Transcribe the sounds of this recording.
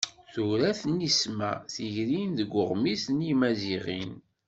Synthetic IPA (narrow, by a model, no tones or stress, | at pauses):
θuɾæθnismæ̰θiʝɾinðəɡʷːʊʁmisnimæziʁin